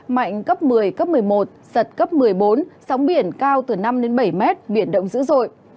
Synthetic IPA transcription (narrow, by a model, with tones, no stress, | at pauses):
ma̰˧˨jŋ̟kə˦˥p̚mɨ˨˩əjkə˦˥p̚mɨ˨˩əjmo˨˩t̚z̥ə˨˩t̚kə˦˥p̚mɨ˨˩əjɓo˨˦nsa˨˦wŋ͡mɓi˧˩ənkaː˧wt̪ɨ˨˩na˧mɗe˨˦nɓə˧˩jmɛ˦˥t̚ɓi˧˩ənɗə̰˧˨wŋ͡mzɨ̰˧˥zo̰˧˨j